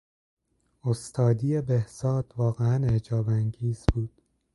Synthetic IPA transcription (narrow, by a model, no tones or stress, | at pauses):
ost̪ʰɒːd̪iːjebehz̥ɒːd̪̥vɒːɣeæned͡ʒɒːbæŋɟiːz̥b̥uːd̪̥